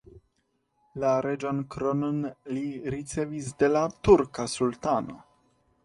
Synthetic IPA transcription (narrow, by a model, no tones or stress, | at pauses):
laɾe̞d͡ʒankɾononliɾit͡se̞visde̞latuɾkasultano̞̰